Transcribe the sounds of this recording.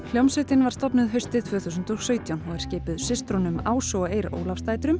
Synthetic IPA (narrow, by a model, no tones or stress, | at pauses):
l̥jowmsœt̪ɪnvaɾst̪ɔpnʏðɦœɥst̪ɪðt̪ʰvœːθus̬ʏnt̪owsœːɥt̪jawnɔɣɛɾ̥sceːjpʏðsɪst̪ɾɔnʏmaːwsɔejɾo̰ːwlafst̪aːjt̪ɾʏm